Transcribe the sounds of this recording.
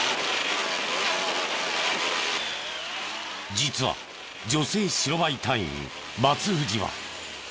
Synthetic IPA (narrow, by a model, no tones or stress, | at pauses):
d͡ʑit͡sɨβa̰ | d͡ʑo̞se̞ːɕiɾo̞bait̪ʰãĩ | mat͡sɨɸɯ̟ʑiβa̰